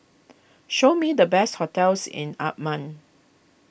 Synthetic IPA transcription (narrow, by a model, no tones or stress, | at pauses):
ʃomidəbɛst̚hɔtɛlsɪ̰̃na̰p̚mãn